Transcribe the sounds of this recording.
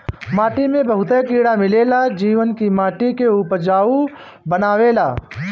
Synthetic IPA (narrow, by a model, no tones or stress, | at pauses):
maːʈimẽbɐɦʊt̪ekiːɽamɪlelad͡ʒiːʋənkimaːʈikeuːpəɾd͡ʒaːu | bənaːʋeːlaː